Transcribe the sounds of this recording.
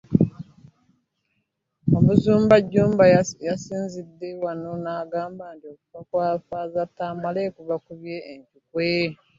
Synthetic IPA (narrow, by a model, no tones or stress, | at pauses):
omuzuːmbaɟːuːmbajasiːnzidːewanonaːɡaːmbantio̞kuβakwaːfaːzatːaːmale̞kuβakuβje̞ːɲcukwe